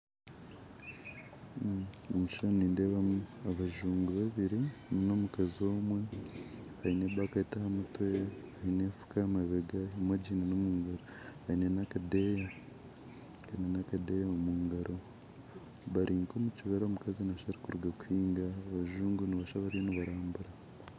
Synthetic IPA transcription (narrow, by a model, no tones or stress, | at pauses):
omiʃoniːndeβamuaβaʒuːŋɡuβaβiɾinino̞mukazio̞ːmwe | ahineβakaetahamutweahinefu̥kamaβeɡaimwaɟiːnanomuːŋɡaɾo | ainenakadeja | ainenakadejaomuːŋɡaɾʔo̞ | βaɾʔiːŋkomuciβeɾomukazinaʃaɾikuɾuɡakuhiːŋɡaːβaʒuːŋɡuniβaʃaβaɾijoniβaɾaːmbuɾa